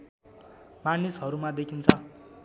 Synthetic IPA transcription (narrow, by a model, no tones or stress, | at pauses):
manisɦʌɾumad̪ekʰint͡sʰʌ